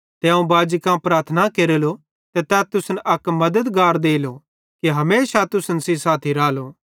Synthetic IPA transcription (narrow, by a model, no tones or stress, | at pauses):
t̪eɐ̃ũbaːd͡ʒkãpɾaːɾt̪ʰnakeːɾeːlo | t̪et̪ɛt̪ʊsnʔɐkmɐd̪əd̪ɡaːɾd̪eːlo | kiɦɐmeːʃat̪ʊsnsisaːt̪ʰiɾaːloː